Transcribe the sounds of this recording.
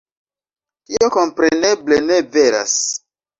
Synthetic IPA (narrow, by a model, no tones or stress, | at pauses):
ioko̞mpɾenebleneveɾa̰s